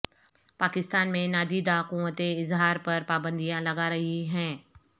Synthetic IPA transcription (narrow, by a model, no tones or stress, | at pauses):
paːkɪst̪aːnmẽnaːd̪id̪aːkuːmət̪eɪzɦaːɾpɐɾpaːbə̃nd̪ijãlɐɡaɾɐɦiɦɛ̃ː